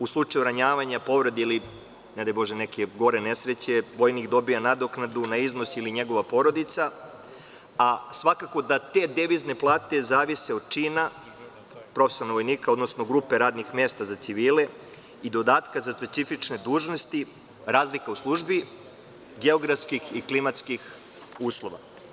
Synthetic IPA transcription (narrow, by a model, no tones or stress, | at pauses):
uslˠut͡ʂajuɾaɲaːʋaɲapo̞ʋɾod̪eili | ned̪ajbo̞ʒenekʰeɡo̞ɾenesɾet͡ɕe̞ʋo̞jnikd̪o̞bijanad̪oknad̪unaizno̞siliɲe̞ɡo̞ʋapo̞ɾod̪it̪sa | asʋakako̞d̪at̪e̞ːd̪eʋizne̞plˠaːt̪e̞zaːʋiseod̪̚t͡ʃiːna | pɾo̞fesioɾnoʋojniːkao̞d̪nosno̞ɡɾupe̞ɾaːd̪nixmest̪azat̪siʋiːle̞ | id̪o̞d̪aːt̪kazaspe̞t̪sifit͡ʃne̞d̪uːʒno̞st̪i | ɾaːzlikauslˠuʒbi | ɡeo̞ɡɾafskixiklimat̪skix | uːslˠo̞ʋa̰